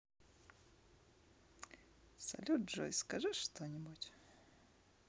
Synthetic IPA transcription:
sɐ̰lʲuʐo̰jskɐʐɨʂt̪onʲɪbutʲ

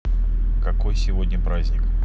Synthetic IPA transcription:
kɐkojsʲɪvod̪ʲnʲəpɾazʲnʲɪk

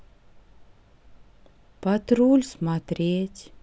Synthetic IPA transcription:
pat̪ɾulʲsmat̪ɾʲeːtʲ

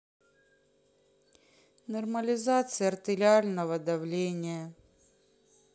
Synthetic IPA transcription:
nɐrməlʲɪzat̪sɨjəɐrt̪ʲɪlʲɪalʲnəvəd̪ɐvlʲenʲɪjə

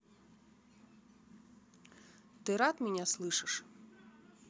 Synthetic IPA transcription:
t̪ɪɾɑt̪mʲinʲaslˠɪʃɪʃ

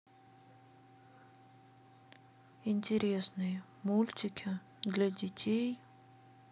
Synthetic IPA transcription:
ɪnʲtʲɪɾʲesnɨjə | mulʲtʲɪkʲʰɪ | d̪lʲadʲɪtʲʰej

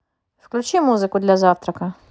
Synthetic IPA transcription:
fklʲʉt͡ɕimuzɨkʊd̪lʲɐzaft̪ɾɐkɐ

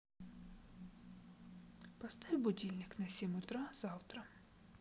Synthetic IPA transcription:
pɐst̪ɑjʲbʊdʲilʲnʲɪknɐsʲimʊt̪ɾɑzɑwt̪ɾɐ

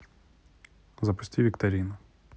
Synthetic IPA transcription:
zɐpʊ̥sʲtʲiʋʲikt̪ɐɾʲinʊ

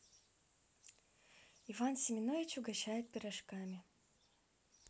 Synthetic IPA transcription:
ivansʲɪmʲɪnovʲɪt͡ɕʊɡɐɕajɪt̪̚pʲɪɾɐʂkamʲɪ

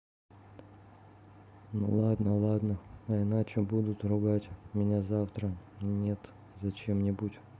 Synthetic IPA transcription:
nulˠad̪nəlˠad̪nəɐɪnat͡ɕɪbud̪ʊt̪rʊɡatʲmʲɪnʲazaft̪ɾənʲet̪ | zɐt͡ɕemnʲɪbutʲ

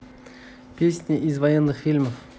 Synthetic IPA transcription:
pʲesʲnʲɪʔɪzvɐjenːɨxfʲilʲməf

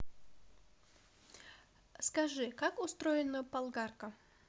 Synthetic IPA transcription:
skɐʐɨkakʊst̪ɾojɪnəpɐlˠɡarkə

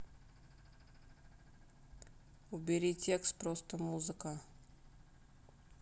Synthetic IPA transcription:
ʊbʲɪɾʲitʲe̞kst̪̚pɾost̪əmuzɨkə

